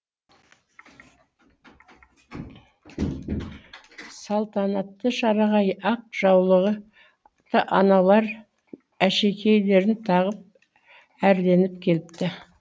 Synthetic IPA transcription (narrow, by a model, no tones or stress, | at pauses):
sɑlˠt̪ɑnɑt̪ːəʃɑɾɑʁɑjɑq̚ʒ̥ɑwlˠəʁə | t̪əʔɑnɑlˠɑɾ | æʃe̞kʲʰe̞jle̞ɾɪnt̪ʰɑʁəp̚ | æɾd̪e̞nɪpkʲʰe̞lɪp̚t̪ɪ